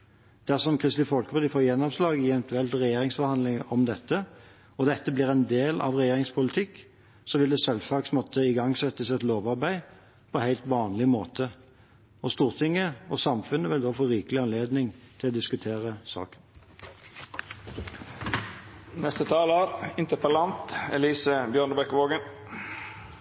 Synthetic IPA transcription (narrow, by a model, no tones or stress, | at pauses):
d̪̥æʁsɔmkʰʁɪst̪ɪfɔlkəʋɔd̪ɪfoːjɛnːɔʋslɑːɡɪɛʋɛnt̪ʉɛlt̪ʁɛjeːʁɪŋsfɔʁhɑnd̪lɪŋʔɔmd̪ɛt̪ːə | ɔd̪ɛt̪ːəbliːʁɛnd̪eːlɑ̰ʋʁɛjeːʁɪŋspʰʊlɪt̪ʰɪkː | sɔʋɪld̪ɛsɛlsɑksmɔt̪ʰːəɪɡɑŋsɛt̪ːəsɛt̪loːʋɑʁbæɪ | pʰɔɛhæɪlt̪ʋɑːnlɪmoːt̪ʰə | ɔst̪uːʁt̪ʰɪŋːəɔsɑmfʉnːəʋɪld̪oːfɔɾiːkəlɪɑnleːd̪nɪŋt̪ʰɪlɔːd̪ɪskʉt̪ʰeːʁəsɑ̰ːkən | nɛst̪ət̪ʰɑːloːɾɪnt̪əpəlɑnt̪ɛliːsəbjøːɳəbɛkʋoːɡən